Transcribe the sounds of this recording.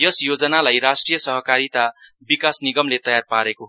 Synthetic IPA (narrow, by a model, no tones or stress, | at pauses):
jʌsjod͡zʌnalajɾasʈrijʌsʌɦʌkaɾit̪abikasniɡʌmlet̪ʌjarpaɾeko